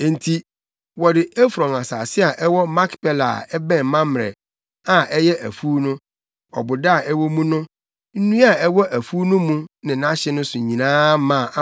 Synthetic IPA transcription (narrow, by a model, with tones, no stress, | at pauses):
ɛ̃˨n˨tʰi˦ | wɔ˨dɪ˨ɛ˦fɾɔ̃˨ŋa˨sa̰ː˨sɪ˦a˨ʔɛ˦wɔ˦ma˦kpɛ˦la̰˨ɛ˦bɛ̃˦˨mã˦m˨ɾɛ̰˨ | a˨ʔɛ˦jɛ˦ʔæ̰˨fu˦nʊ̃˦ | ɔ̰˨bʊ˨da˦˨ɛ˦wɔ˦mũ˦nʊ̃˦ | n̩˦nũ˦a˦˨ɛ˦wɔ˦ʔæ˨fuː˦nʊ̃˦mũ˦nɪ̃˨nã˦ɕɛ˦nʊ̃˦sʊ˨ɲĩ˨nãː˦mã˦˨˦